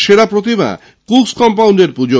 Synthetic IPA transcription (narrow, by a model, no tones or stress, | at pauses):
ʃeɾapɾot̪iba̰ | kukskɔmpawɳɖeɾpud͡ʑo